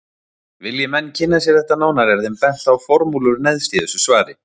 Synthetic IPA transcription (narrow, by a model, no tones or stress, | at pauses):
vɪljɛmɛnːcʰɪnːasjɛɾ̥θɛht̪anaːwnaɾɛɾ̥θɛmpɛn̥t̪awfɔɾmulʏɾnɛðst̪iːðʏsʏsvaːɾɪ